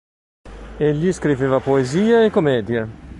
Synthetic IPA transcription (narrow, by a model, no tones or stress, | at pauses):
eʎːiskɾiveːvapoeziːaekːomɛːd̪je